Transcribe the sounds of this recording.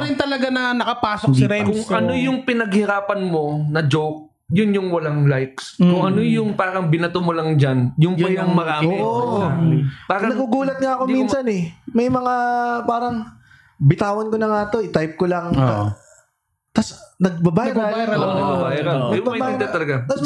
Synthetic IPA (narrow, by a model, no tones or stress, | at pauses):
ɾɪnt̪ɐlɐɡanɐnɐkɐpaːsokɐɾɛkʊŋɐnojʊŋpɪnɐɡhɪɾaːpɐnmo̞nɐd͡ʒowk̚ | jʊnjʊŋwɐlaŋlajkskʊŋʔɐnojʊŋpaːɾɐŋbɪnɐt̪omolɐŋd͡ʒanjʊŋpɐɐŋmɐɾaːoʔampaːɾɐnɐɡuɡuːlɐt̪̚ŋɐʔɐkominsɐnɛmɐjmɐŋapaːɾɐŋ | bɪt̪aːwɐnkonɐŋaːt̪o̞ʔɪt̪ajp̚kolɐŋo | t̪ɐsnɐɡ̚bɐbaːjɐbajɾɐonɐbɐbaːjɐɾɐmɐiɐt̪ɐlɐɡat̪ɐs